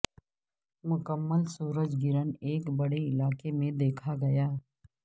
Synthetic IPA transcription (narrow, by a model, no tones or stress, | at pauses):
mʊkəmːəlsuːɾəd͡ʒɡɪɾəneːkbɐɽeɪlaːkemẽd̪eːkʰaɡɐjaː